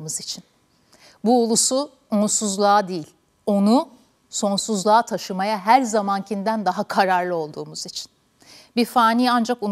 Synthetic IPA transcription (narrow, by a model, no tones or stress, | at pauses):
mɯzit͡ʃʰin | buolˠusu | onsuzlˠaːd̪ejilʲ | o̞nu | so̞nsuzlˠaːt̪ʰaʃɯmajaɦæɾzamancʰind̪ænd̪aɦakʰaɾaɾlˠɯo̞lˠd̪uːmuzit͡ʃʰi̥n | bifaːniːand͡ʒaku